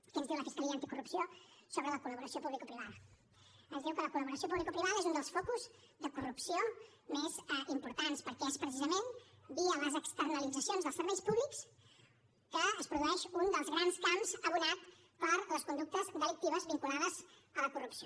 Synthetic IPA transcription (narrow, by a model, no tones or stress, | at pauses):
kiənzðiwləfiskəliəaːnt̪ikurupsijosoβɾələkuləβuɾəsiopuβlikupɾiβaðə | əzðiwkələkuləβuɾəsiopuβlikoupɾiβ̞aðəezund̪əlˠsfɔkuz | d̪əkurupsio | mezimpuɾt̪anspəɾkɛespɾəsizəmenbiələzəkst̪ərnəlid͡zəsionzðəlˠsəɾβɛjspuβliks | kəəspɾuðuɛʃund̪əlˠzɣɾanskamzəβuɾat̪ | pəɾləskund̪uk̚t̪əzd̪əlik̚t̪iβəzβiŋkulaðəz | ələkurupsio